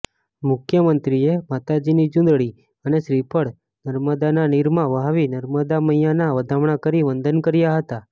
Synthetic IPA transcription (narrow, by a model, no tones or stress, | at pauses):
mʊkʰjəmənt̪ɾiemat̪ad͡ʒinid͡ʒʊ̃nd̪ɭi | əneʃɾipəɽ | nəɾməd̪ananiɾmãʋəɦaʋinəɾməd̪aməjjanaʋəd̪ʱaʋɳakəɾiʋənd̪ʱənkəɾjaɦət̪a